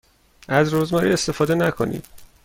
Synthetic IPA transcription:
æzɾoːzmɒːɾiːe̞st̪e̞fɒːd̪e̞nækʰo̞̰nḭːd̪̥

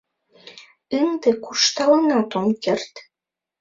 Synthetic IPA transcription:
əŋd̪ĕkuʃt̪ɑlənɑt̪omkert̪

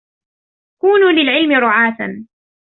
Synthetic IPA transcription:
kuːnuːlɪlʕɪlmɪɾʊʕaːθan

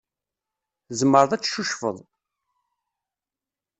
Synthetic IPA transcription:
zmːəɾðˤæt͡sːʃuʃfə̰ðˤ

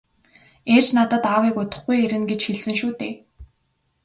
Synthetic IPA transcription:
ert͡ɕnat̪ə̆t̪awiːkʊt̪ə̆χɡujeɾɘ̆nɡet͡ɕxeɮsɘ̆ŋʃuːt̪ḛː

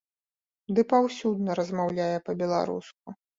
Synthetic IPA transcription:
d̪ɨpawsʲud̪nɐɾɐzmawlʲajɛpɐbʲɛlˠa̰ɾṵsk̚u

